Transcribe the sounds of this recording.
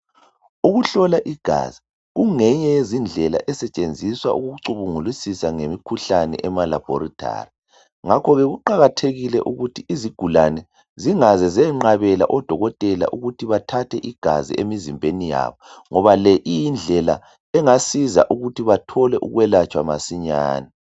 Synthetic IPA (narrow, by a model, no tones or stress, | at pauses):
uɣuɬɔlaʔiɡ̥ʱa̰zi | ɣuŋɛɲɛezind͡ɮʱɛla̰ʔɛsɛt͡ʃʼend͡zʱiswaʔuɣuuǀuβuŋulisisaŋemikʰuɬanɛ̰ʔɛmala̰b̥ʱɔ̰ɾitʰʼa̰ri | ŋakʰɔɣɛɣuǃaɣatʰeɣilɛʔuɣutʰiʔiziɡ̥ʱulanɛ | ziŋazɛzɛŋ͡ǃaβɛla̰ʔɔd̥ʱɔɣɔtʼɛla̰ʔuɣutʰiβatʰatʰɛʔiɡ̥ʱa̰zḭemizimbʱenija̰ːβɔŋɔβalɛʔijind͡ɮʱɛla̰ | ɛŋasiza̰ʔuɣutʰiβatʰɔlɛʔuɣwɛlat͡ʃʼwamasiɲa̰ːna